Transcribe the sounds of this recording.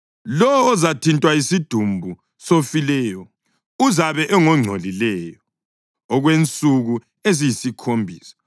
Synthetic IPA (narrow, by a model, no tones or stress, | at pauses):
lɔwɔːzatʰintʼwaisid̥ʱumbʱu | sofilɛjɔ | uzaβɛʔɛŋɔŋ͡ǀʱolilɛːjɔ | ɔɣwent͡sʼuɣu | ezijisikʰombʱiːsḁ